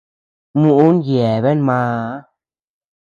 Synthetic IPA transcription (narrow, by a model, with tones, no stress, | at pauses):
mu˦ʔnje˨be˦nma˧˦